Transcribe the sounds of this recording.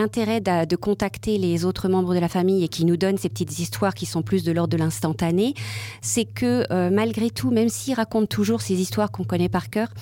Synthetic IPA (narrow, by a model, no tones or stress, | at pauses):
ɛ̃t̪eʁɛd̪ad̪əkɔ̃t̪akt̪elezot̪χəmɑ̃bʁəd̪əlafamijekʲinud̪ɔnsepə̥t̪it̪zist̪waʁkʲisɔ̃plys̬d̪əlɔʁd̪ːəlɛ̃st̪ɑ̃t̪anesɛkʰəømalɡʁet̪ʰumɛmsiːʁakɔ̃t̪ːuʒuʁsezist̪waʁkɔ̃kɔnɛpaʁkʲœːʁ